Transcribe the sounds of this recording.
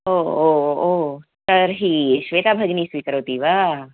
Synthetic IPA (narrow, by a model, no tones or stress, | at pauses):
oːooːsɐɾɦiʃʋeːt̪aːbʱɐɡniːsʋiːkəɾoːt̪iːʋaː